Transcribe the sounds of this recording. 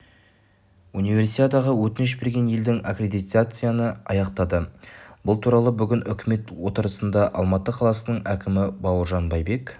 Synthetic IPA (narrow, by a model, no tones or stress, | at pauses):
unijvʲe̞ɾsijt̪ad̪ɑʁəwɵt̪ɪnɪʃ̬be̞ɾɡʲe̞nje̞ld̪ɪŋakrʲe̞d̪ijt̪at̪sɨjanəɑ̰jɑqt̪ɑd̪əb̥ʊlˠt̪ʰuɾɑlˠəbʏɡʲɪnʔʏkʲʰɪme̞t̪wo̞t̪əɾəsənd̪ɑʔɑlˠmɑt̪ːəqʰɑlˠɑsənəɴækʲɪmɪbɑwəɾʒɑnbɑjbe̞k